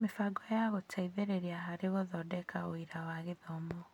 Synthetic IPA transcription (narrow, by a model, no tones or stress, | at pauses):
mefaɡɔjaɣotʰaiðeɾeɾiaɦaɾeɣoðɔdɛkʰaoiɾawaɣeðɔmɔ